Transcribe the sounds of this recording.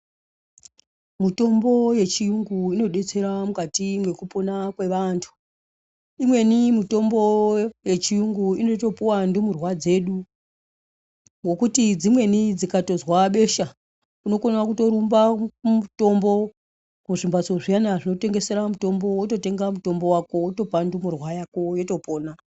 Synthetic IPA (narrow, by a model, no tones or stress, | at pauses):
mito̞mbo̞je̞t͡ʃijuŋɡuino̞ɗe̞t͡se̞ɾamukatimwe̞kupo̞nakwe̞ʋantʰu̥ | imwe̞nimito̞mboje̞t͡ʃijuŋɡuino̞to̞puwandumurwad͡ze̞ːɗu | ŋɡo̞kutid͡zimwe̞nid͡zikato̞zwaɓe̞ːʃa | uno̞konawakuto̞ɾumbamuto̞mbo̞ | kuʐimbat͡soʐijanaʐino̞te̞ŋɡe̞se̞ɾamuto̞mbo̞woto̞te̞ŋɡamuto̞mbo̞wako̞woto̞pandumurwajako̞jo̞to̞po̞ːna